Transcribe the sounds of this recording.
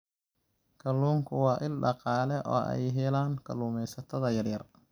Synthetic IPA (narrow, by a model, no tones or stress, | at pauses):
kʰɐluːŋkʰʊwɑːʔɪlɖɑqɑːlɛʔɔ̰ːʔɛ̰jɦɛlaːŋkʰɐluːmɛjsɐt̪ʰɐðɐjɐrjɐr